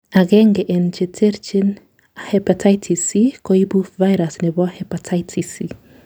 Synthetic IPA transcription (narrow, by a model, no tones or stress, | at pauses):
aɣɛŋɡɛʔnt͡ʃetʰɛɾt͡ʃin | ahɛpatʰajtʰisikɔibufvajɾasnɛβɔhɛpatʰajtʰisi